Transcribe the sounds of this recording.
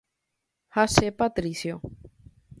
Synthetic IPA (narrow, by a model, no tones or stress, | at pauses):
hasepat̪ɾisjo